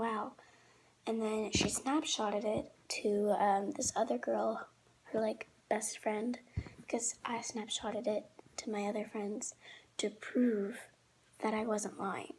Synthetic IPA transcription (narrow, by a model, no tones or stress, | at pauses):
walˠ | ɨ̃nðɨ̃nʃisnæpʃɑɾɨɾɪtʰɨʌ̃mðɪsʌðə˞ɡɜ˞lˠ | hə˞laɪk | b̥ɛstfɹɛ̃nd̥kʰʌzʔaɪsnæpʃɑɾɨɾɪtʰɨmaɪʌðə˞fɹɛ̃ndz̥tʰɨpʰɹ̥ʉv̥ | ðɨɾaɪwʌzə̃nʔlãɪɪ̰̃ŋ